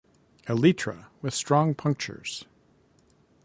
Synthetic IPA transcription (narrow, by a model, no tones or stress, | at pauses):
ɨlitʰɹ̥ə̰wɨð̥stɹ̥ɔ̃ŋpʰʌ̃ŋk̚t͡ʃə̰˞z̥